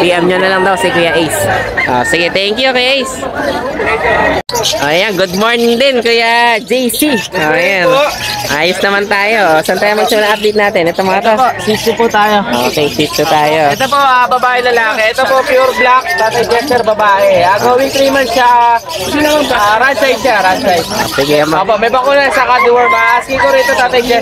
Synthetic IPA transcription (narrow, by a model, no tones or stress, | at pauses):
p̪iːʔɛmɲonɐlɐŋd̪ɐwsikʊjaʔejsʔo̰sɪɡɛt̪ɛŋkjukɛjʔejs | ʔoːʔjanɡʊd̪̚moːɹnɪŋd̪ɛnkʊjad͡ʒejsiʔoːʔjanʔaːjosnɐmant̪aːjosɐnt̪ajɐmɐɡ̚sɐmɐnaʔap̚d̪ejt̪̚naːt̪ɛnʔɛt̪omɐŋɐt̪opsisipʊt̪aːjoʔokejsist̪ʊt̪aːjoɛt̪opoʔabɐbaːʔɛnɐlaːkɛʔɛt̪opopiʊɾblak̚t̪aːt̪ɐjd͡ʒɛst̪ɛɾbɐbaːʔɛaɡowɪnt̪ɾiːmanʃɐ | sinɐŋɐnɐɾansajd̪̚t͡ʃaɾad̪sajd̪̚o̰sɪɡiɐmoːpoʔmɐjbɐkuːnɐsɐkad̪ɪwɛɾbaskikoɾɪt̪ot̪aːt̪ɐjd͡ʒɛ